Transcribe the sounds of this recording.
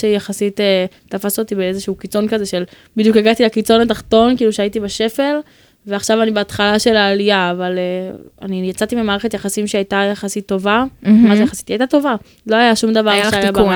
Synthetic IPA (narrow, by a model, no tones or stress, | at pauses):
ejaχasit̪e | tafasot̪ibenezeʃuuːkit͡so̞nkazeʃel | bid̪jukjaɡat̪ilekit͡so̞nataχt̪o̞nkiːluʃeaitibeʃe̞fe̞l | veaχʃavanibeːt̪χalaʃe̞laːlijaːvalea̰nijat͡sat̪imimaːʁeχet̪jaχasimʃeajtajaχasit̪ːo̞vamazjeχasi̥t̪ajt̪at̪o̞va | lo̞ajaʃumd̪avaʁʃeajab